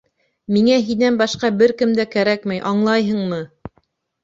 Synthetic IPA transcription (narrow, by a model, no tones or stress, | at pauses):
miŋæɦinænbɑʃqɑbɘɾkɘmd̪ækæɾækmæjʔɑɴlˠɑjɦɤ̆ɴmɤ